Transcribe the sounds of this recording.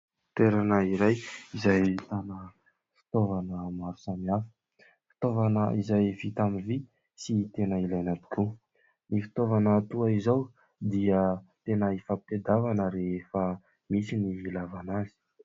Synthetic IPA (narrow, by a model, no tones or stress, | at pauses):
t̪eɾanəiɾajizajt̪anə | fi̥t̪ovanəmaɾu̥samiafə̥ | fi̥t̪ovanəizajvit̪amivi | sit̪enəilajnat̪u̥kʰu | nifi̥t̪ovanət̪uaizaw | d̪iət̪enəifaped̪avanəɾeefə | misiniilavanazi̥